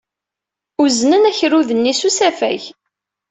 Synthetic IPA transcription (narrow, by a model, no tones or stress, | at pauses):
uznənæçɾuðənːisusæfæ̰ʝ